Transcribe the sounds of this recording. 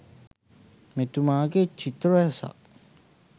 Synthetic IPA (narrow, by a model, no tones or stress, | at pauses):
met̪umaket͡ʃit̪ɾɛsa̰ʔ